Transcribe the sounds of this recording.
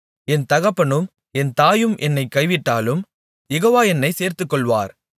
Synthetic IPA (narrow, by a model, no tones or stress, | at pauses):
ɛnt̪ɐɣɐpːɐɳɯm | ɛnt̪aːjɯmʔɛnːɐɪkːɐɪʋɪʈːaːlɯm | jɛɣoːʋaːɛnːɐɪseːɾt̪ɯkːɔɭʋa̰ːɾ